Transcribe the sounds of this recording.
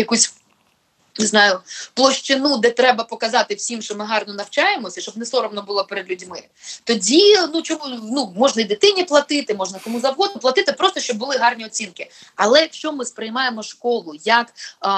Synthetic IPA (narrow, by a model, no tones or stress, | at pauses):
jɐkusʲ | znɑjʊplˠɔʃt͡ʃɪnud̪ɛt̪ɾɛbɐpɔkɐzɑt̪ɪwsʲimʃt͡ʃɔmɪɦɑrnɔnɐwt͡ʃɑjemɔsʲɐʃt͡ʃɔb̚nɛsɔɾɔmnɔbʊlˠɔpɛɾed̪lʲudʲmɪ | t̪ɔdʲinut͡ʃɔmunumɔʒnɐid̪ɪt̪ɪnʲiplˠɐt̪ɪt̪ɪmɔʒnɐkɔmuzɐwɦɔd̪ʊplˠɐt̪ɪt̪ɪpɾɔst̪ɔʃt͡ʃɔb̚bʊlˠɪɦɑrnʲiɔt͡sʲinkɪ | ɐlˠɛjɐkʃt͡ʃɔmɪspɾɪjmɑjemɔʃkɔlˠʊjɐk